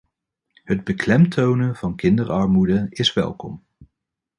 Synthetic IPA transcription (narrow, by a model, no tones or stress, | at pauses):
ɦəd̚bəklɛmtʰownəv̥ɑnkɪndərɑɹmudəɪsʋɛ̰lˠkɔm